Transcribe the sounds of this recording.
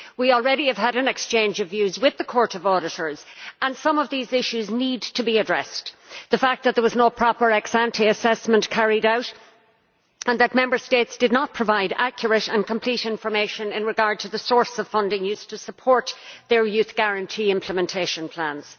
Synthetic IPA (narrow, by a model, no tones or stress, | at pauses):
wil̩ˠɹɛɾiɨv̥əɾɨ̃nɨkst͡ʃʰẽɪ̃nd͡ʒʌvjʉzwɪðəkʰɔɹɾʌvɔɹɾɨɾə˞z̥ə̃nsʌ̃mʌvðizɪʃʉznid̚tʰɨbiɨdɹɛ̰sðəfæk̪̚ðət̪̚ðə˞wʌznoʊpʰɹ̥ɑpə˞ɛksæ̃ntʰiɨsɛsmə̃nʔkʰæɹiɾaʊɾ | ə̃nðət̚mɛ̃mbə˞steɪtsd̥ɨdⁿnət̚pʰɹ̥əvaɪɾæ̰kjə˞ɨɾə̃nkʰə̃mpʰl̥iɾɪ̃ɱfə˞meɪʃɨ̃nɪ̃nɹɨɡɑɹd̚tʰɨðəsɔɹsʌv̥fʌ̃ndɪ̃ŋjʉstʰɨsəpʰɔɹt̪̚ðə˞jʉθɡ̥æɹɨ̃ntʰiɪ̃mpʰləmɛ̃ntʰeɪʃə̃npʰl̥æ̃nz̥